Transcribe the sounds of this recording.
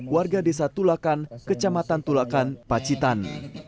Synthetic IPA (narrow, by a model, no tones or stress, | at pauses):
kwarɡadesat̪ulakankət͡ʃamat̪ant̪ulakanpat͡ʃit̪an